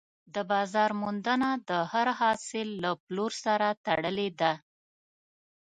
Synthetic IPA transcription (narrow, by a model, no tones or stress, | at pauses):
d̪əbɑzɑɾmund̪ənad̪əhaɾhɑsɪlːaploɾsaɾat̪aɽəled̪a